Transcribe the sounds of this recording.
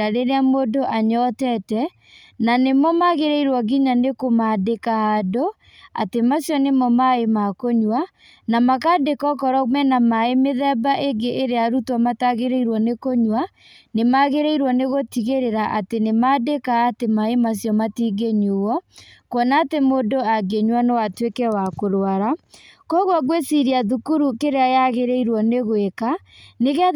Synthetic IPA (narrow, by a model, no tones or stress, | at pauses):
aɾeɾeamodoʔaɲɔtɛtɛ | nanemɔmaɣeɾeiɾwɔɡiɲanekomadekaado | a̰temasjɔnemɔmaemakoɲwa | namakadekɔkɔɾɔmɛnamaemeðɛbaʔeɡeʔːɾeaɾutwamataɣeɾeiɾwɔnekoɲwa | nemaɣeɾɛiɾwɔneɣotiɣeɾeɾaʔatenemadekaːtemaemas̬jɔmatiɡeɲuwɔkwɔnaːtemoːdoaɡeɲwanɔwatwekɛwakoɾoaɾakɔɣwaɣwesiɾiaðukuɾukeɾeajaɣeɾɛiɾwɔneɣweka | neɣea